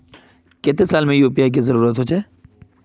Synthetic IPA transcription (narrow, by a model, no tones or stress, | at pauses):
keːt̪esaːlmẽjuːpijak̬izɐɾuːɾət̪ɦoːt͡ʃaː